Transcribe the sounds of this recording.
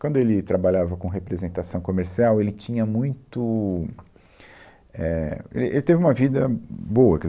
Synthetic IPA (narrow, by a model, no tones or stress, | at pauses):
kwɐ̃nd̪ʊelɪt̪ɾabaʎavɐkõɦepɾezẽnt̪asɐ̃w̃komeɾsiawelɪt͡ʃĩɲɐmũj̃t̪ʊ | ɛḛlɪʔelɪt̪evɪũmɐvid̪ɐboɐkɪz